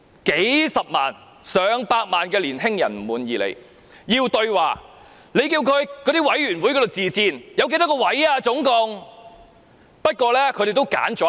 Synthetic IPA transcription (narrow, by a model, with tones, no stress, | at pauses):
ke˨˥jsɐ˨p̚ma̰ː˨˩n | sœː˨ŋpaː˧t̚maː˨nkɛː˧liː˨˩nɦɪ˥ŋjɐ̰˨˩nm̩˨˩muː˨˩njiː˨˩lḛ˨˧j | jiː˧wt̪ɵ˧ɥwaː˨˩ | le˨˧jkiː˧wkʰɵ˨˧ɥkɔː˨˧t̪iː˥wɐ˨˥jɥyː˨˩nwu˨˥jkɔː˨˧t̪o˨wt͡siː˨t͡siː˧njɐ˨˧wke˧jt̪a˥kɔ˧wɐ˨˥jaː˧t͡sʊ˨˥ŋkʊ˨ŋ | pɐ˥t̚kʷɔː˧lɛː˥kʰɵ˨˧ɾe˨˩t̪o˥wka̰ː˨˥nt͡ʃɔ˨˥